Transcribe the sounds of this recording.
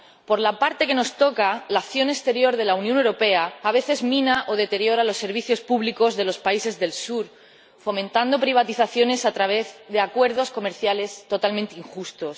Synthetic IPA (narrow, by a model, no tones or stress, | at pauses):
po̞ɾlapaɾt̪e̞keno̞st̪o̞kalakθjo̞nekst̪e̞ɾjo̞ɾðe̞launjõnewɾo̞pe̞aːβe̞θe̞zmĩnaʔo̞ð̞e̞t̪e̞ɾjo̞ɾalo̞sːe̞ɾβ̞iθjo̞spuβliko̞zðe̞lo̞spaise̞zðe̞lsuɾ | fo̞mẽnt̪and̪o̞pɾiβ̞at̪iθaθjo̞ne̞sat̪ɾaβ̞e̞zðe̞akwe̞ɾðo̞sko̞me̞ɾθjale̞st̪o̞t̪almẽnt̪iŋxust̪o̞s